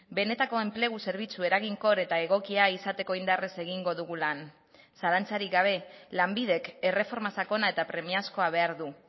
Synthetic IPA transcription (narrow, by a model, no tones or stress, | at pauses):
be̞ne̞t̪ako̞e̞mple̞ɣ̞use̞ɾβ̞it͡sue̞ɾaɣiŋko̞ɾe̞t̪ae̞ɣ̞o̞kiaisat̪e̞ko̞ind̪arese̞ɣiŋɡo̞ðuɣ̞ulan | salant͡saɾiɡaβ̞e̞lambið̞e̞ke̞re̞fo̞ɾmasako̞naet̪apɾe̞miasko̞aβ̞e̞aɾðu